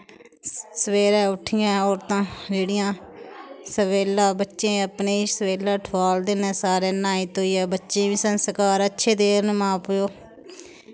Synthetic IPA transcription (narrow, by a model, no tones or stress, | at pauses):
səʋeːɾaːʊʈʰːɪjãːɔːɾt̪ãːd͡ʒeːɽɪjãː | səʋeːlãːbətːʃẽːəpneːiːsəʋeːlaːʈʰʋaːld̪eːnɛ̃ːsaːɾeːnãːit̪ɦoːiːɛːbətːʃẽːʋĩːsənskaːɾətːʃʰeːd̪eːɾnmãːpjoː